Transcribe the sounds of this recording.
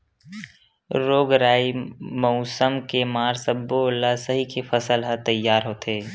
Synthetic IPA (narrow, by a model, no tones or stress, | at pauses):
ɾoːɡɾaːimɔʊsəmkemaːɾsəbːolasəɦikʰepʰəsəlɦət̪əjːaːɾɦoːt̪eː